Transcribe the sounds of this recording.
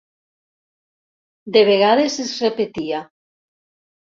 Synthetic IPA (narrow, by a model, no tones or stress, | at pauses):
d̪eβ̞eɣ̞aðesezrepet̪ia